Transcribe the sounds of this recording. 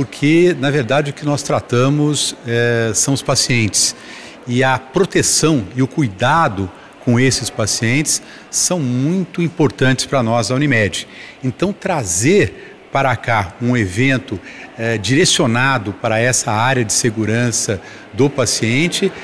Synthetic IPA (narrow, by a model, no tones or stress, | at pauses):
poɾkʰenɐveɾd̪ad͡ʒɪʊkɪnɔst̪ɾat̪ɐ̃mʊsɛsɐ̃w̃ʊspasiẽnt͡ʃɪ̥s | ɪɐpɾot̪esɐ̃w̃ɪʊkujd̪ad̪ʊ | kõw̃esɪspasiẽnt͡ʃɪ̥sː | ɐ̃w̃mũj̃t̪ʊĩpoɾt̪ɐ̃t͡ʃɪ̥spɾɐnɔzɐw̃nimɛd͡ʒɪẽnt̪ɐ̃w̃t̪ɾazeɾ | paɾɐkaũevẽnt̪ʊɛd͡ʒiɾesionad̪ʊpaɾɐɛsɐaɾjɐd͡ʒɪseɡuɾɐ̃sɐ | d̪ʊpasiẽnt͡ʃɪ